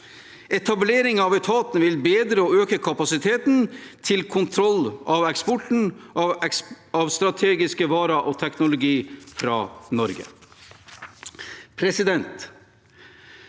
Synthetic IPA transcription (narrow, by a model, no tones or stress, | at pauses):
ɛt̪ʰɑbleːɾɪŋɑʋɛt̪ʰɑːt̪nʋɪlbeːd̪ɾəɔøːkəkʰɑpɑsɪt̪ʰeːt̪nt̪ʰɪlkʰʊnt̪ʰɾɔlːʔɑʋɛkspɔʈn̩ | ɑʋst̪ɾɑt̪ʰeːɡɪskəʋɑːɾɑʔoːt̪ʰɛknʊlʊɡiːfɾɑ̰ːnɔɾɡə̰ | pʰɾɛsɪd̪ɛnt̪